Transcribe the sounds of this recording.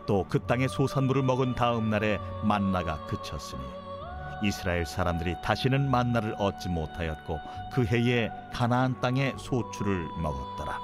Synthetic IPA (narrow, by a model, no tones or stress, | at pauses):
t͈okɯt͈aŋe̞sʰosʰanmuɾɯɭmʌɡɯntaɯmnaɾe̞manːaɡa̰kɯt͡ɕʰʌs͈ɯɲḭ | isʰɯɾaeɭs͈aɾamdɯɾitaɕʰinɯnmanːaɾɯɭʌt̚t͡ɕ͈imotʰajʌt̚k͈o | kɯɦe̞ie̞ | kanaːnt͈aŋe̞sʰot͡ɕʰuɾɯɭmʌɡʌt̚t͈ʌɾa̰